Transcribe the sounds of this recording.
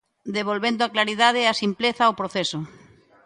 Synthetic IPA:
d̪eβ̞olβend̪oaklaɾiðað̞easimpleθaopɾoθesʊ

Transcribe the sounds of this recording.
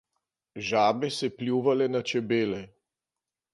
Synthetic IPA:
ʒaːbɛsɛplʲjuːʋalɛnat͡ʃɛbeːlɛ

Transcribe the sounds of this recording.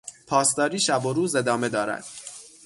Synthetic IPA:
pʰɒːst̪ɒːɾiːʃæboɾuːze̞d̪ɒːme̞d̪ɒːɾæ̰d̪̥

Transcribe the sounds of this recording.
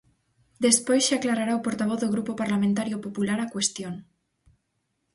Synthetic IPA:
d̪e̞spojsʃeaklaɾaɾaopoɾt̪aβ̞oθðoɣ̞ɾupopaɾlamẽnt̪aɾjopopulaɾakwe̞st̪jon

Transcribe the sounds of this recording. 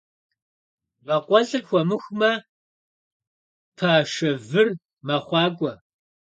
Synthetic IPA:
vɐqʷɔɮɨrxʷɔmɨxʷmɐ | pʰaːʃɐvɨr | mɐχʷɑːɡʷʼɐ

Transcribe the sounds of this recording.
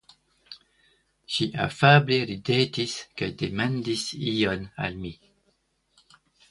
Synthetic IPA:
ʃiʔa̰fableɾidetiskajdemandisijona̰lmi

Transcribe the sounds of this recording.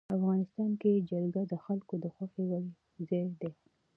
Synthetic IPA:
afɣɑnɪst̪ɑnked͡ʒalɡad̪əxalkod̪əxwaxewali | zɑjd̪e

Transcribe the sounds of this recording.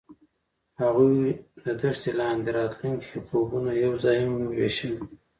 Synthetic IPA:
haɣujd̪əd̪əʂt̪elɑnd̪eɾɑt̪luŋkekobunajawzɑjmweʃə

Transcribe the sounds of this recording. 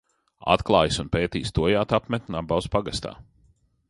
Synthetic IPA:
a̰t̪klˠɑːjsunpeːt̪iːst̪uɔjaːt̪apmɛt̪ʲnabawspaɡast̪a̰ː

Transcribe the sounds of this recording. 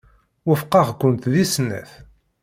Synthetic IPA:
wəfqɑʁkʷːʊnt̪ðisnæ̰θ

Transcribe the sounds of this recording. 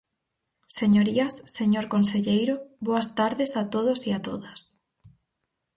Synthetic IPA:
seɲoɾiɐsːeɲoɾkonseʎejɾoβoɐst̪aɾðesat̪oð̞osiat̪oðɐs

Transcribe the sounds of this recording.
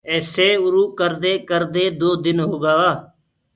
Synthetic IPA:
ɛːseːʊɾuːkəɾd̪eːkəɾd̪eːd̪oːd̪ɪnɦoːɡaːaː

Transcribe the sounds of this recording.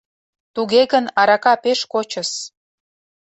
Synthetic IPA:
t̪uɣeɣənɑɾɑkɑpeʃkot͡ɕə̆s

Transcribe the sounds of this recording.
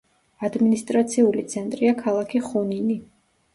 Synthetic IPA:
ad̪minist̪ʼɾat̪sʰiulit̪sʰɛnt̪ʼɾiakʰalˠakʰiχunini

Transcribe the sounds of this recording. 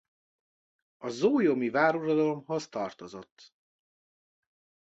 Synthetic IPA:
ɒzoːjomivaːɾurod̪ɒlo̞mɦo̞zt̪ɒrt̪o̞zo̞t̪ː

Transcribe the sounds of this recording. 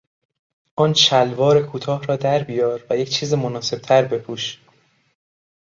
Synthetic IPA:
ʔɒːnʃʰælvɒːɾekʰuːt̪ʰɒːhɾɒːd̪æɾbijɒːɾvæje̞cʰt͡ʃʰiːzemonɒːse̞b̥̚t̪ʰæɾbe̞pʰuːʃ

